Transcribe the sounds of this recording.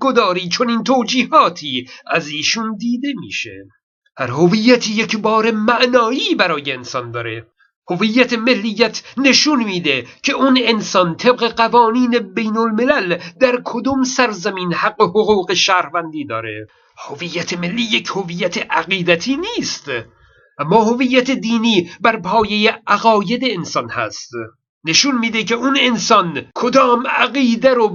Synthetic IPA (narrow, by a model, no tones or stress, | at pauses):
ɡod̪ɒːɾiːt͡ʃʰoniːnt̪ʰoːd͡ʒiːhɒːt̪ʰiːæziːʃund̪iːd̪e̞mḭːʃḛ | hæɾhovijːæt̪ʰiːjecbɒːɾe̞mæʔnɒːiːbæɾɒːjeːnsɒnd̪ɒːɾe | hovijːæt̪ʰemelːijːæt̪ʰne̞ʃunmiːd̪ecʰe̞unensɒnt̪ʰeb̚ɣe̞ɢævɒːniːne̞bejnolme̞læld̪æɾkʰod̪umsæɾzæmiːnhæɡːo̞hoɣuːɣe̞ʃæɾhvænd̪iːd̪ɒːɾe̞̰ | hovijːæt̪ʰemelːiːjecʰhovijːæt̪ʰeʔæɣiːd̪æt̪ʰiːniːst̪ | ʔæmːɒːhovijːæt̪ʰed̪iːniːbæɾpʰɒːje̞jeʔæɣɒːje̞d̪eːnsɒnhæ̰st̪ | ne̞ʃunmiːd̪ecʰe̞unensɒnkʰod̪ɒːmæɣiːd̪æɾo